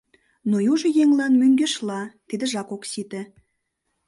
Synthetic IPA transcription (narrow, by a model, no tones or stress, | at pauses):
nojuʒə̆jeŋlɑnmyŋɡʲeʃlɑt̪id̪ĕʒɑkoksit̪ĕ